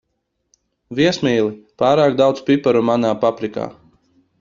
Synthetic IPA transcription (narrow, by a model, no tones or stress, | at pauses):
viɛsmʲiːlˠipaːɾaːkd̪awt̪spipaɾumanaːpapɾika̰ː